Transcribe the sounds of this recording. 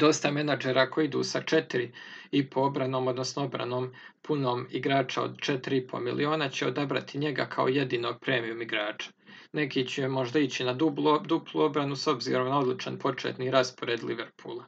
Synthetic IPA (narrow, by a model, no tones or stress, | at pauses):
d̪o̞st̪ame̞nad͡ʒeɾako̞jid̪ṵːsat͡ʃe̞t̪iɾiipʰoo̞bɾanoːmo̞d̪nosnoo̞bɾa̰no̞ːm | pʰuno̞ːmiɡɾaːt͡ʃao̰d̪t͡ʃe̞t̪iɾiipʰo̞̰milʔio̞ːnat͡ɕe̞od̪abɾa̰t̪iɲe̞ɡakʰaoje̞d̪iːno̞ːɡ̚pɾeːmiumiɡɾaːt͡ʃḁ | ne̞kiːt͡ɕemo̞ʒd̪ait͡ɕinabld̪uplˠuo̞bɾanuso̞bzḭːɾo̞mnao̞d̪lit͡ʃanpo̞t͡ʃḛːt̪niːɾaspo̞ɾeːd̪liʋeɾpʰuːlˠa